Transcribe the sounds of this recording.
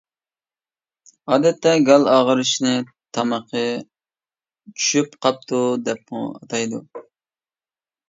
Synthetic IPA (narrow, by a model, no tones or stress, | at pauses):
ɑːd̪ɛt̪ʰːɛɡɑlˠɑːʁəɾɨʃnɨ | t̪ʰɑmɑqʰə | t͡ʃʰy̥ʃypqʰɑp̚t̪ʰud̪ɛp̚mʊ̰ɑ̰t̪ʰɑjd̪ṵ